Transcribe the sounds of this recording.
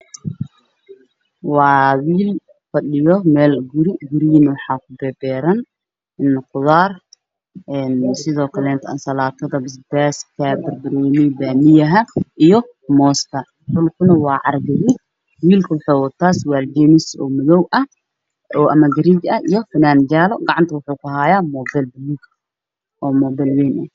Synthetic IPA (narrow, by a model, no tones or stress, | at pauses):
wɑːwiːl | fɐɗɪjɔmɛːlɡʊɾɪɡʊɾɪjnɐwɑħɑːkʰʊbɛːbɛːɾɐn | ɪnqʊðaːr | ʔɛːnsɪðɔːkʰɐlɛːnt̪ʰʔa̰ːnsɐlaːt̪ʰɐðɐbɪsbaːskʰɐbɐrbɐɾɛːnɛjbaːmɪjɐɦɐʔijɔ | mɔːskʰɐ | ħʊlkʰʊnɐwɑːʕɑrɡɐɾi | wiːlkʰɐwʊħowɐt̪ʰaːswaːld͡ʒɛːmɪsɔ̰ːmɐðɔwʔɐh | ɔːʔɐmɐɡɐɾiːt͡ʃɐʔijɔfɐnaːnd͡ʒaːlɔɡɑʕɑnt̪ʰɐwʊħuːkʊɦaːjaːmɔːbɛlbluːk | ʔɔːmɔːbɛlwɛːnʔɐ